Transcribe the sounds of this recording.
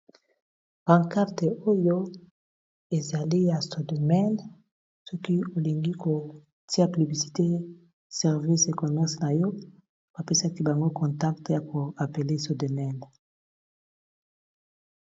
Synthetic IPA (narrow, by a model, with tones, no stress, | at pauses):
b̥ã˨ŋka˦ʁte˨o˦jo˦ | e˨za˨li˦ja˨so˨do˨mɛ˦n | sɔ˦ki˦o˨li˨ŋɡi˦kʰo˨ | ti˦a˦py˨bli˨si̥˨te˦ | sɛ˨ʁvi˦se˨kɔ˨mɛ˦ʁsna˨jɔ˦ | b̥a˨pe˦sa˦ki˦ba˨ŋɡo˦kɔ̃˨nta˦k̚tja˨ko˨a˨pe˨le˦so˨do˨mɛ˦n